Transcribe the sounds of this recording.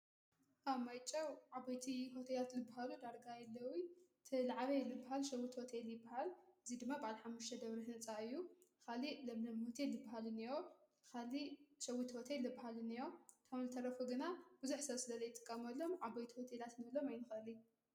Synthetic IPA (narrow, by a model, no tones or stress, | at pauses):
ʔamajt͡ʃʼɐwʕabɐjt̪ʰiɦo̞t̪ʰelat̪zɨbːahalud̪aɾɡajɛlːɐwi | t̪ʰɨlaʕβelɨbːaɦalʃɐwit̪ʰho̞t̪ʰeljɪbːahalʔɨzid̪ɨmːabaʕalħamːuʃt̪ʰɐd̪ɐβɾihɨnt͡sʼaɨjːukalilɐmlɐmhot̪ʰelːɨbːaɦalɨniɾo | kʰaliʃɐwit̪hot̪ʰelːɨbahalɨniɾot̪ʰɐmzɨt̪ʰɐɾɐfuɡɨnab̥ɨzuħsɐβsɨlɐzɐjɪt̪ʼːɨ̥kʼːɐmɐlːomʕabɐjt̪ʰiho̞t̪ʰelat̪nɐβlomajnɨxɨli